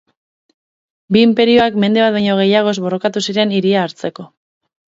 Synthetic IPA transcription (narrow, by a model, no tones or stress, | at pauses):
biːmpe̞ɾio̞akme̞nd̪e̞βat̪̚bajɲo̞ɣ̞e̞jaɣ̞o̞zβo̞ro̞kat̪usiɾe̞niɾiaːɾt͡se̞ko̞